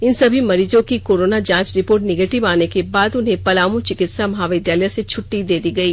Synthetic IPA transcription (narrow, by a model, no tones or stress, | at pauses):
ɪnsɐbʱimɐɾiːd͡ʒõkikoːɾoːnad͡ʒãːt͡ʃɾɪpoːɾʈnɪɡeːʈɪʋaːnekebaːd̪ʊnɦẽpɐlaːmũt͡ʃɪkɪt̪samɐɦaʋɪd̪jaːləjset͡ʃʰʊʈːid̪eːd̪iɡɐiː